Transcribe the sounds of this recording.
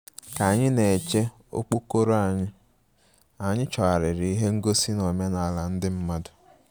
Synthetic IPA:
ka˨ɲɪ˦ne˨t͡ʃe˦ | o̰˦k͡po˦ko˦ɾo˦a˨ɲɪ˦ | a˨ɲɪ˦t͡ʃɔ˨a˨ɾɪ˨ɾɪ˨i˦ɦe˦ŋ̩˦ɡo˦si˦no˨me˦na˨la˨n̩˦dɪ˦m̩˦ma˦dʊ˨

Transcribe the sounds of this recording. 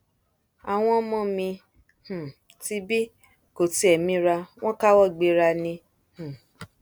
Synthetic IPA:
a˨w̃ɔ̃˧˦mɔ̃˦˨mĩ˧ | h̩˨ | ti˧˦bi˦ | ko˨ti˧˦ɛ˨mĩ˧˦ɾa˧w̃ɔ̃˦ka˦wɔ˦˨ɡ͡be˧ɾa˧nĩ˧ | h̩˨

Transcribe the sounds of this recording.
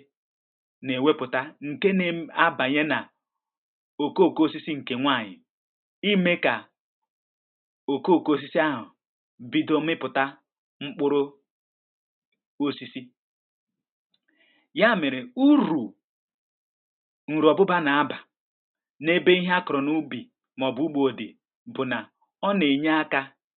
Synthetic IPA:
ne˨we˦pʊ˨ta˦ŋ̩˨ke˦ne˨a˦ba˨ɲe˦na˨ | o˨ko˦˨ko˦o˦si˦si˦ŋ̩˨ke˨ŋʷa˦˨ɲɪ̰˨ | i˦me˦ka˨ | o˨ko˦˨ko˦o˦s̬i˦si˦a˦ɦʊ˨ | bi˦do˦mɪ˦pʊ˨ta˦ | ŋ͡m̩˦k͡pʊ˦ɾʊ˦ | o˦si˦si˦ | ja˦mɪ˨ɾɪ˨u˦ɾu˨ | n̩˨ɾu˨ɔ˨bʊ˦ba˦na˨a˦ba˨ | ne˦be˦i˦ɦa˦kʊ˨ɾʊ˨nu˦bi˨ | mɔ˨bu˨˦u˦ɡ͡bo˨o˨dḛ˨ | bʊ˨na˨ | ɔ˦ne˨ɲa˦a˦ka˦

